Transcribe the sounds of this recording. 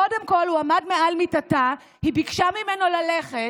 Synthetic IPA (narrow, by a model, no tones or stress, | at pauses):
ode̞mko̞lhuamadme̞ʔalmitata | hibikʃamimeno̞laleχe